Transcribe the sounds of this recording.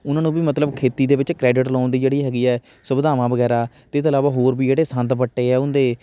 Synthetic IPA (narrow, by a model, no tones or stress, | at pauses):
ʊnãːnũːbiːmət̪ləbkʰeːt̪iːd̪eːʋɪt͡ʃkɾɛːɖɪʈlãːnd̪iːd͡ʒeːɽiːɦɛːɡiːɛː | səbd̪aːʋãːʋəɡɛːɾaːt̪eːɪst̪ːlaːʋaːɦoːɾbiːd͡ʒeːɽeːsənt̪ʋəʈːeːɛːʊnd̪eː